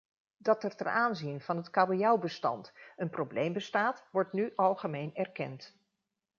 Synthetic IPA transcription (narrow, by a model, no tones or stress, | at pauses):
dɑtɛɹtɛ̰nʔaːnzinv̥ɑnɦətkaːbojawbəstɑ̰ntənprowblejmbəstaːtʋɔɹtnyʔɑlˠχəmejnɛɹkɛ̰nt